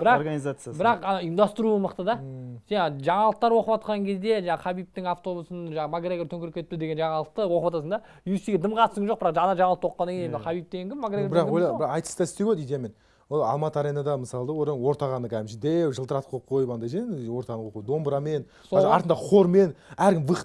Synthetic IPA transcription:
bɾɑɾɡanizat̪sjbbɪɾɑqɑnɑʊjəmd̪ɑst̪əɾuəməqt̪əd̪ɑsenʒɑɴɑlˠəqt̪ɑɾwo̞qəpɑt̪̚qɑŋkʲʰe̞zd̪e̞ʒɑɴɑqʰɑbijp̚t̪ɪŋaft̪o̞busənʒɑɑmaɡɾeɡʲrt̪ʰɵŋkʲɪɾɪkʰʲːet̪ɪ̥pt̪ɪd̪e̞ɡʲe̞nʒɑɴɑlˠəq̚t̪əwo̞qəpɑt̪ɑsəɴd̪ɑ | jusiɡʲed̪əmqʰɑt̪əsəŋʒo̞q̚bɪɾɑqʒɑnɑʒɑɴɑlˠəqt̪wo̞qːɑnɑŋkʲeemqʰɑbijp̚t̪eɡeŋkʲʰɪmːaɡɾeɡbɾɑqwojlbɪɾɑɑjt̪ə̥st̪ɑɪst̪e̞ɡʲeijd̪ʲejame̞n | woɑ̰lˠmɑt̪əɑɾejnɑd̪ɑməsɑlˠəd̪ɑwoɾɑnwo̞ɾt̪ɑʁɑnəkʰʲæɪmʃɪd̪ewʒəlˠt̪əɾɑt̪qʰolˠp̚qʰo̞jəpɑnd̪ɑjʒenwo̞ɾt̪ɑʁɑnəoujd̪o̞mbɾɑmen | sɑɾt̪ənd̪ɑqʰo̞ɾme̞næɾkʲʰɪmvəq̪

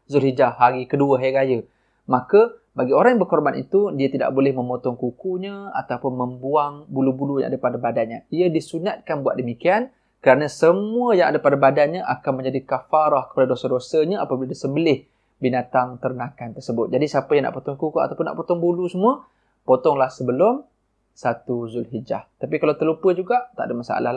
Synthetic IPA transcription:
zʊlhid͡ʒaːaɾikəduəɦajɾajə | makəbaɡioɾaŋjaŋbərkɔrbanḭt̪udiət̪ida̰ʔbolɛhmə̃mot̪ɔŋkukuɲəa̰t̪awpʊnməmbuaŋbulubuluja̰ŋa̰dəpadabadanɲaiədisunat̪̚kanbuat̪̚dəmikian | kəɾanasəmuəjaŋadapadabadanɲəʔakanmə̃ɲd͡ʒadikafaɾahkə̥padadosədosəɲaapabiladasəmbəlɪh | binat̪aŋt̪əɾənakant̪ərsəbʊt̪̚d͡ʒadisapəjaŋna̰ʔpot̪ɔŋkukuat̪awpʊnːa̰ʔpot̪ɔŋbulusəmuə | pot̪ɔŋlahsəbəlʊm | sat̪uzʊlɦid͡ʒa̰ht̪apikalawt̪ərlupəd͡ʒuɡaʔt̪aʔdəmasa̰a̰lal

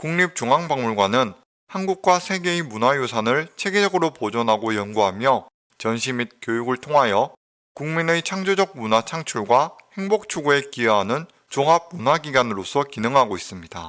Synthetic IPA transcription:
kuŋɲip̚t͡ɕoŋaŋbaŋmuɭɡwanɯn | hanɡuk̚k͈wasʰe̞ɡe̞imunajosʰanɯɭt͡ɕʰe̞ɡed͡ʑʌɡɯɾopod͡ʑʌnɦaɡojʌnɡuɦamjʌ | t͡ɕʌnɕʰimit̚k͈jojuɡɯɭtʰoŋɦajʌ | kuŋminet͡ɕʰaŋd͡ʑod͡ʑʌk̚munat͡ɕʰaŋt͡ɕʰuɭɡwahe̞ŋbok̚t͡ɕʰuɡue̞kiʌɦanɯn | t͡ɕoŋɦap̚munaɡiɡanɯɾosʰʌkinɯŋɦaɡois͈ɯmɲida̰

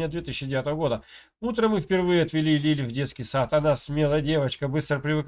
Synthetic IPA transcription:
ɪjəd̪vʲet̪ɨɕʲːɪdʲɪvʲat̪əvəɡo̞d̪ə | ut̪ɾəmɨfpʲɪrvɨjəɐt̪vʲɪlʲilʲilʲɪvdʲe̞t̪skʲɪjsat̪ɐnasmʲe̞lˠəjədʲe̞vət͡ɕkəbɨst̪ɾəpɾʲɪvɨk

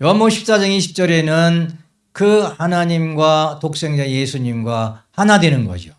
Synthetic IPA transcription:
jʌmoɕʰi̥p̚s͈ad͡ʑʌŋiɕʰi̥p̚t͡ɕ͈ʌɾe̞nɯn | kɯhanaɲimɡwatok̚s͈e̞ŋd͡ʑajesʰuɲimɡwahanadwe̞nɯnɡʌ̰ɕʰijo

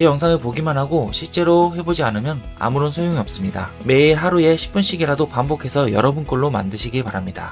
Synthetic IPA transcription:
kejʌŋsʰaŋɯɭpoɡimanɦaɡoɕʰiɭt͡ɕ͈e̞ɾoɦe̞bod͡ʑianɯmjʌna̰muɾonsʰojoŋiʌp̚s͈ɯmɲida̰ | me̞iɾɦaɾue̞ɕʰi̥p͈unɕ͈ʰiɡiɾadopambokʰe̞sʰʌjʌ̰ɾʌbunk͈oɭːoma̰ndɯɕʰiɡipaɾamɲida̰

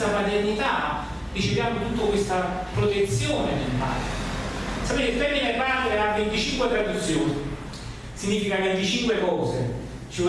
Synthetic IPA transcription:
amat̪ernit̪a | d̪it͡ʃːipjambet̪ut̪ːokwest̪a | pɾot̪et̪sːjoːned̪impa̰t̪ | sapeːt̪efɛminepaɾeavːent̪it͡ʃiŋkwet̪ɾad̪ut̪sːjoːni | siɲːiːfikakend̪it͡ʃiŋkwekɔːze | t͡ʃi

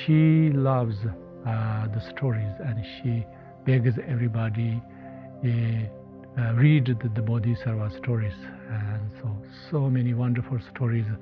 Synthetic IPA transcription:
ʃilʌʋz | d̪əsʈʰɔɾizɛ̃nʃi | b̥ɛɡzɛvɾibɔdi | ɾiɖd̪əbɔd̪isəɾʋasʈʰɔɹiz | ɛnso | somɛniwʌ̃nɖəɾfulsʈʰɔːɾiz

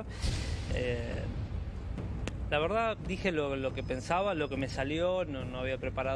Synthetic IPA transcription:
ḛ | laβeɾð̞ad̪ixe̞lolo̞kepe̞nsaβalo̞ke̞me̞saljonono̞aβ̞iapɾe̞paɾa

